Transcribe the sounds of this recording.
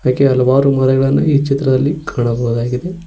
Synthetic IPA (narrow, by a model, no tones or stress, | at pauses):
aːkeɐlɐʋaːɾumɐlɛɡɐɭɐnːɐiːt͡ʃit̪ɾɐd̪ɐlːikʰaːɳɐboːd̪aːɡid̪e